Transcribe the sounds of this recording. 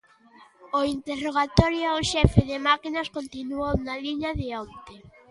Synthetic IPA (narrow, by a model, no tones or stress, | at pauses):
oint̪eroɣat̪ɔɾjoaʊʃɛfɪðɪmakinɐskont̪inuownaliɲaðɪɔnt̪e